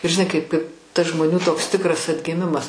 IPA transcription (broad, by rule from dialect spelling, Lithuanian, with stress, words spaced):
ɪr ʒʲɪˈnɐɪ kɐɪp kɐɪp tɐs ʒmoːˈnʲuː toːks ˈtʲɪkrɐs ɐdʲɡʲɪˈmʲɪmɐs